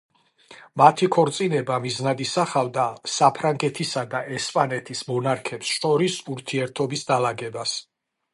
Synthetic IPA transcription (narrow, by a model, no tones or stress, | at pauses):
mat̪ʰikʰɔɾt̪sʼinɛbamiznad̪isaχavd̪asapʰɾaŋɡɛt̪ʰisad̪aʔɛspʼanɛt̪ʰismɔnaɾkʰɛpsʃɔɾisuɾt̪ʰiɛɾt̪ʰɔbisd̪alaɡɛbas